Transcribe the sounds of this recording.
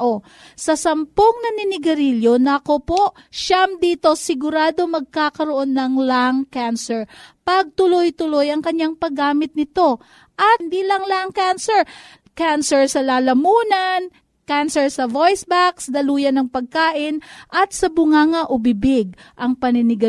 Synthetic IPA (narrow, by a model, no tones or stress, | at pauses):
ʔo | sɐsɐmpoŋnɐnɪnɪɡɐɾiljo̞nɐɐko̞po̞ʔ | ʃamd̪iːt̪o̞sɪɡʊɾaːd̪o̞mɐɡ̚kakɐɾo̞ʔo̞nːɐŋlaŋkansɛɹpɐɡ̚t̪ʊlojt̪ʊlo̞jɐŋkɐɲaŋpɐɡaːmɪt̪̚nɪt̪o̞ | ʔɐt̪nd̪iːlɐŋlaŋkansɛɹ | kansɛɹsɐlaːlɐmuːnɐn | kansɛɹsɐvojsbaksd̪ɐluːjɐnɐŋpɐɡ̚kaːʔɪnʔɐt̪̚sɐbʊŋaːŋɐʔʊbɪbɪɡ̚ʔɐŋpɐnɪnɪɡɐ